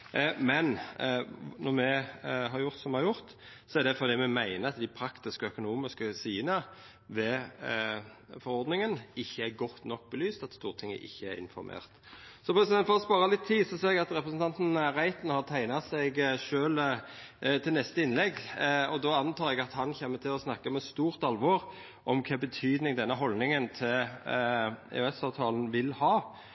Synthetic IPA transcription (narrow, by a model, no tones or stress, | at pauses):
mɛn | nɔɾmɛɦɑɾjʊɾt̪sɔmɛhɑɾjʊɾt̪sɔɛɾd̪ɛfɔɾd̪iːmɛmæɪnəɾɑt̪̚d̪æɪpʰɾɑkt̪ɪskəœkʊnuːmɪskəsiːənə | ʋɛ | fɔɾɔɾd̪nɪŋənɪçːəæɾɡɔt̪ːnɔk̚ːbəlyːst̪ɑt̪st̪uːʁət̪ʰɪŋːə̰ʔɪ̰çːəæɾɪ̰nfɔɾmʔḛːʁt̪ | sɔpʰɾɛsɪd̪ɛnfɔɾɔspɑːʁɑlɪt̪ʰːiːd̪sɔseːɾɛɡɑt̪ɾɛpɾəsn̩t̪ʰɑnt̪n̩ɾæɪt̪nhɑʁt̪ʰæɪnɑsɛɡʃøːl | t̪ʰɪlnɛst̪əɪnlɛɡɔd̪ɔɑnt̪ʰɑːɾɛɡɑt̪hɑnçɛmːət̪ʰɪlɔsnɑkːəmɛst̪uːʁt̪ɑlʋɔʁ | ʔɔmkʰɛːbət̪ʰyːd̪nɪŋd̪ɛnːəɦɔlnɪŋənt̪ʰɪ | ɛ̰øɛsɑːʋt̪ʰɑːln̩ʋɪlhɑː